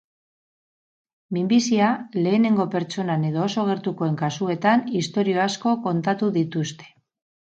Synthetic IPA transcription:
mimbisiale̞ːne̞ŋɡo̞pe̞ɾt͡ʃo̞nane̞ð̞o̞ːso̞ɣ̞e̞ɾt̪uko̞e̞ŋkasue̞t̪anist̪o̞ɾio̞asko̞ko̞nt̪at̪uðit̪ust̪e̞̥

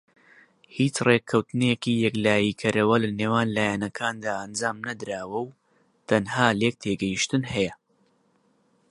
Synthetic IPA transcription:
hiːt͡ʃrekʰːɐwt̪ɨnekiːjɛklaːjiːkʰɐɾɐwɐlɐneːwaːnlaːjanɐkʰaːnd̪aːʔɐnd͡ʒaːmnɐd̪ɾaːwɐw | t̪ʰɐnhaːlek̚t̪ʰeːɡɐjiʃt̪ɨnhɛjɐ

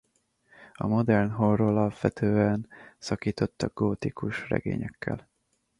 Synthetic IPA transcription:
ɒ̰mo̞d̪ɛrnɦorolɒlpʋɛt̪ʰøːɛnsɒkiːt̪o̞t̪ːɒɡoːt̪ikuʃrɛ̰ɡḛːɲɛkːɛl

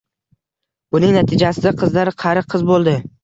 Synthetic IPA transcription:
ʊnɪŋnat̪ʰɪd͡ʒasɪd̪aqʰɨzlaɾqʰɑɾɪqʰːɨzbolˠd̪ɪ

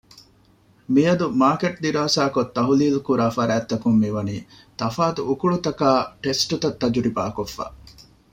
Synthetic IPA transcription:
mijɐd̪umaːkeʈ̚d̪iɾaːsaːkot̪ːɐɦuliːlukuɾaːfɐɾæːt̪ːɐkumːiʋɐniː | t̪ɐfaːt̪uʔːkuɭut̪ɐkaːʈesʈut̪ɐt̪ːɐd͡ʒuɾibaːkofːa̰ː

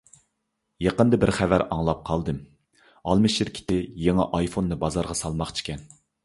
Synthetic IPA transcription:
jɑqənd̪ɨbɪɾχævæɾɑŋlˠɑp̚qʰɑlˠd̪ɨm | ɑlˠmɨʃɪɾkʲʰi̥t̪ʰɪjeŋɑʔɑjfonːɨbɑzɑɾʁɑsɑlˠmɑχt͡ʃʰi̥kʲʰɛn

